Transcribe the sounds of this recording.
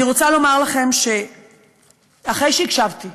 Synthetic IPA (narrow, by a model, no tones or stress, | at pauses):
niʁot͡salo̞maʁlaχe̞mʃe̞ | aχe̞jʃeikʃavt̪i